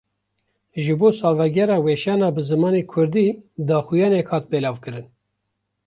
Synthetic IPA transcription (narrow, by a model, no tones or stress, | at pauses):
ʒɨboːsɑːlvɛɡɛɾɑːweʃɑːnɑːbɨzɨmɑːneːkʰʊɾd̪iːd̪ɑːxujɑːnɛkhɑːt̪̚belɑːvkɨɾɨn